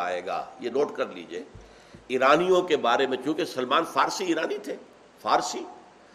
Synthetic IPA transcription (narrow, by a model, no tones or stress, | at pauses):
a̰ːḛːɡa̰ːjenoːʈkɐɾlḭːd͡ʒieː | iːɾaːnijõkebaːɾemẽkjũːkesɐlmaːnfaːɾsiiːɾaːnit̪ʰeː | faːɾsiː